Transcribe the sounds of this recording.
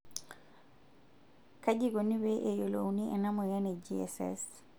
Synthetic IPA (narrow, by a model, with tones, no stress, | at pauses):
ka˦d͡ʒi˦ɡo˨ni˦beʔe˨jo˨lo̰˨wni˦ʔɛ˨na˦mɔ˨ja˦ne˨d͡ʒiɛ̰sɛ̰s